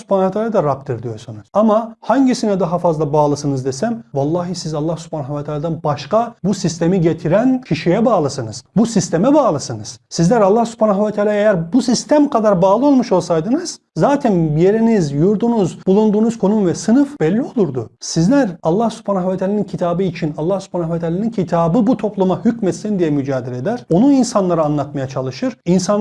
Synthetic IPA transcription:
su̥pʰanavɛt̪ʰaːlʲad̪aɾap̚t̪ʰiɾd̪ijo̞ɾsunuz̥amahaɲɟisinɛd̪aɦafazlˠabaːlˠɯsɯnɯzd̪esæmvalˠːaːɦisizalˠːahsu̥pʰaːnavat̪ʰaːlʲad̪anbaʃkabusist̪ʰe̞miɟet̪ʰiɾæncʰiʃijɛbaːlˠɯsɯnɯz̥busist̪ʰe̞mɛbaːlˠɯsɯnɯz̥sizlʲæɾalːahsu̥pʰaːnaɦvɛt̪ʰaːlʲaːejæɾbusist̪ʰæmkʰad̪aɾbaːlˠɯo̞lˠmuʃo̞lˠsajd̪ɯnɯz̥ | zaːt̪ʰænjeɾinizjuɾd̪unuzbulˠund̪uːnuz̥kʰo̞numvɛsɯnɯfb̥ɛlʲːio̞lˠuɾd̪ṵsizlʲæɾalˠːahsu̥pʰaːnavat̪ʰaːlʲanincʰit̪ʰaːbɯit͡ʃʰinalˠːahsy̥pʰaːnavat̪ʰaːlʲanincʰit̪ʰaːbɯbut̪ʰo̞plˠumahycmɛt̪sind̪ijɛmyd͡ʒaːd̪eled̪æɾ̥o̞nuninsanlˠaɾɯanlˠat̪majat͡ʃʰalˠɯʃɯɾinsa

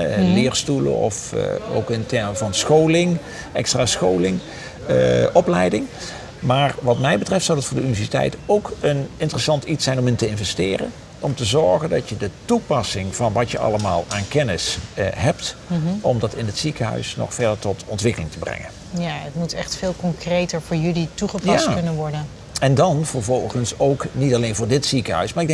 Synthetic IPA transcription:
lɪːɹstulə̰nɔ̰fo̰wkɪntɛɹməvɑnsχowlɪŋ | ɛkstraːsχowlɪŋ | ɔplɛjdɪŋ | maːɹʋɑtmɛjbətrɛftsɑwdətfʊːɹdəynivɛɹsitɛ̰jtowkənɪntərəsɑntitsɛjnɔməntəɪnvɛstɪːrə̰n | ʔɔmtəzɔɹɣəndɑtjədətupɑsɪŋv̥ɑnʋɑtjəʔɑ̰ləma̰ːlˠaːnkɛnɪsɦɛp̚tʔɔmdɑtɪnətsikəɦœ̰ɥsnɔ̰χfɛɹdəɹtɔtɔntʋɪkəlɪŋtəbrɛ̰ŋə̰n | jaətmutɛχtfɪːlˠkɔŋkrejtəɹvʊːɹjɵlituχəpjaskɵnənʋɔɹdən | ɛndɑnv̥əɹvɔlˠχənsowknitɑlejnvʊːɹdɪtsikəɦœ̰ɥsmaːɹɪɡdɛ

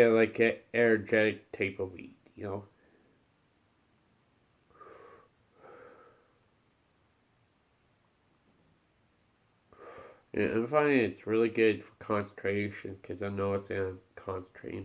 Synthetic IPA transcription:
ælaɪkɨɛə˞d͡ʒɛɾɨk̚tʰeɪpəl̩ˠwḭd̥jɨnoʊ | ʔɨ̰ã̰ɪ̃nfãɪ̃nɨtsɹɪlˠiɡʊd̥fə˞kʰɑ̃nsn̩tʰɹ̥eɪʃɨ̃nkʰʌzaɪnoʊɨsɨãɪ̃mkʰɑ̃nsn̩tʰɹ̥ḛɪɾ̃

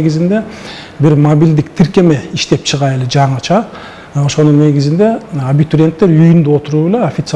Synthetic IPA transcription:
ɡizind̪e̞ | biɾmobʲild̪ik̚t̪ʰiɾke̞me̞iʃt̪e̞pt͡ʃʰɯʁɑjeled͡ʒɑɴɯt͡ʃʰɑ | o̞ʃo̞nunːe̞ɡizind̪e̞abit̪uɾʲe̞nt̪ːe̞ɾyjynd̪uo̞t̪uɾuːbeleofʲit̪s

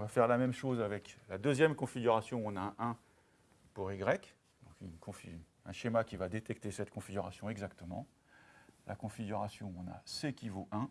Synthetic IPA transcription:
ɔ̃vafɛʁlamɛmʃozavɛklad̪øzjɛmkɔ̃fiɡʲyʁasjɔ̃ɔ̃naʔɛ̃ | puʁeɡʁɛk | d̪̥ɔ̃kynkʰɔ̃fi | ɛ̃ʃemakʲivad̪et̪ɛk̚t̪esɛt̪kɔ̃fiɡʲyʁa̰sjɔ̃ɛɡzakt̪əmɑ̰̃ | lʔakɔ̃fiɡʲyʁasjɔ̃ɔ̃na̰sekʲivoʔɛ̃

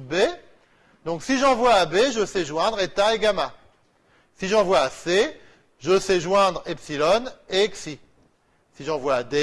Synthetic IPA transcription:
be | d̪ɔ̃ksiʒɑ̃vwaːbeʒəsɛʒwɛ̃d̪ʁet̪aeɡama | siʒɑ̃vwaːse | ʒəsɛʒwɛ̃d̪ʁɛpsilɔneɛksi | siʒɑ̃vwaːd̪e

